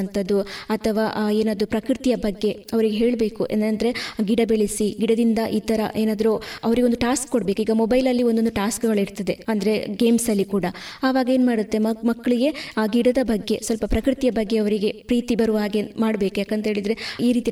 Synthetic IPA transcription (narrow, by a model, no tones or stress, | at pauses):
nt̪ʰɐd̪ːuɐt̪ʰɐʋaːʔeːnaːd̪ɾupɾɐkɾit̪ijɐbɐɡːe̞ɐʋɐɾiɡeɦe̞ːɭbe̞ːkuʔḛnnd̪ɐɾe̞ɡiɽɐbeɭisiɡiɽɐd̪ind̪ɐʔiːt̪ɐɾɐ̰ʔeːnaːd̪ɐɾuɐʋɐɾiɡeond̪uʈaːskːoɽɐbekuiːɡɐmobɐjlɐlːio̞nd̪od̪uʈaːskɡɐɭiɾt̪ɐd̪e̞ɐnd̪ɐɾe̞ɡe̞ːmsɐlːikuːɽɐaːʋaːɡɐe̞ːnmaːɽut̪ːe̞mmɐkːɐɭiɡe̞aɡiɽɐd̪ɐbɐɡːe̞sʋɐlpɐpɾɐkɾit̪ijɐbɐɡːe̞ɐʋɐɾiɡe̞pɾiːt̪ibɐɾuʋɦaːɡemaːɽbe̞ːkujaːkɐnt̪ɐɦe̞ːɭid̪ɐɾe̞iːɾiːt̪i